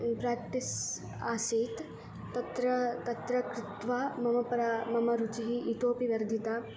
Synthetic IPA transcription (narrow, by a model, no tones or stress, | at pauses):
pɾaːk̚ʈ̪is | aːsiːt̪ː | ɐt̪ɾɐt̪ɐt̪ɾɐkɾɪt̪ʋaːmɐmɐpɐɾamɐmɐɾut͡ʃiɦiʔit̪oːpiʋɐɾd̪ʱit̪aː